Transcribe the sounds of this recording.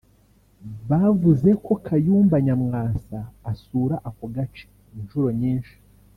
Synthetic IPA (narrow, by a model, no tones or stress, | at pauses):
βavuze̞ko̞kʰajuːmbaɲamŋaːsaːsuːɾaʔakoɡat͡ʃi̥ː | nʃuɾo̞ɲiːnʃi̥